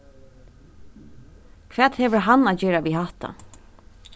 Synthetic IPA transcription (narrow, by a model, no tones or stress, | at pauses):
kʰʋɛːt̪hɛʋəɾɦanaːd͡ʒeːɾaʋiɦaht̪a̰